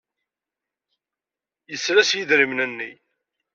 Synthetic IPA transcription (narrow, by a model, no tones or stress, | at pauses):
jəsɾæsjəðɾimnənːi